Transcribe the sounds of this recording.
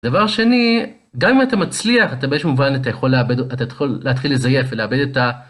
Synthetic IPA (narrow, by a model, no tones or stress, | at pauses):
d̥̪avaʁʃeni | ɡamimat̪amat͡sliaχat̪abeeʃemuvanat̪ajeχo̞leabedat̪atχolːeat̪χilːe̞zaje̞χveleabe̞d̪eta